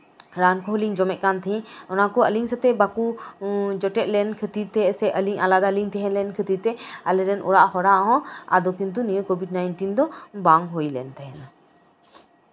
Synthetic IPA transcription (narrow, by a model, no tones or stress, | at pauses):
ɾankʰɔɦəliŋd͡ʒɔmɛʔ̪̚kant̪ʰɛɦĩɔnakɔəliŋsət̪ɛbaku | d͡ʒɔʈɛʔ̪̚ˀlɛnkʰət̪iɾt̪ɛsɛʔəliŋalad̪aliŋt̪ɛɦɛ̃nlɛnkʰət̪iɾt̪ɛalɛɾɛnʔɔ̰ɽaʔhɔɾaʔɦɔ̃a̰d̪ɔkint̪̬unijukobʱiɖ̚najnʈind̪ɔbaŋɦojlɛnt̪ɛɦɛna